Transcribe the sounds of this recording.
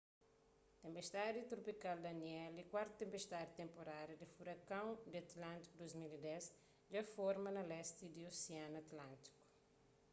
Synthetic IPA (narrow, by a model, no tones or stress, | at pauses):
t̪ẽmpest̪ad̪it̪ɾopikald̪ɐniɛlikwaɾt̪ut̪ẽmpest̪ad̪it̪ẽmpoɾaɾjɐd̪ifuɾɐkɐ̃w̃d̪iɐt̪lãnt̪i̥kud̪ojzmilid̪ɛs | d͡ʒɐfɔɾmɐnɐlɛst̪id̪ioseãnɐt̪lãnt̪i̥ku̥